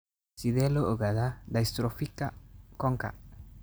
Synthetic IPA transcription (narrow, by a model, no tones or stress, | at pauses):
siðɛlooɡaðad̪aist̪ɾofikakɔŋka̰